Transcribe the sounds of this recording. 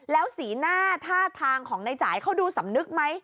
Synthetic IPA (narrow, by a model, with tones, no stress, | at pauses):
lɛː˦˥wsiː˩˦naː˥˩t̪ʰaː˥˩t̪ʰaː˧ŋkʰɔː˩˦ŋna˧jt͡ɕaː˩˦jkʰa˥˩wduː˧sa˩˦mnɯ˦˥k̚ma˦˥j